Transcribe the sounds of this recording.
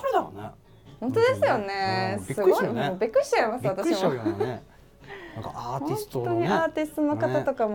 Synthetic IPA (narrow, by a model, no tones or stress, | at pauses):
aɾd̪one | hõnt̪od̪e̞sɨjo̞ne̞sɨɡoimobʲikːɯ̟ɕi̥t͡ɕaimasɨβat̪aɕimo | kaːhoinst̪oɲ̟iaːt̪ʲist̪ono̞kat̪at̪o̞kam